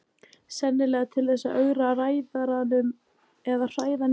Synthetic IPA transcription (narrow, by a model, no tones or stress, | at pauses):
sɛnːɪlɛːɣat̪ʰɪlθɛsːa̰ʔœɣɾaraːjðaɾanʏm | ɛðar̥aːjðan